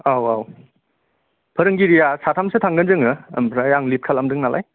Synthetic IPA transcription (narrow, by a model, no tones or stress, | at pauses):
awaw | pʰɐɾɯŋɡiɾijasatʰamsɯtʰaŋɡɯnzɯŋɯɐ̰mpʰɾajaŋlip̚kʰalamdɯŋnalʔa̰j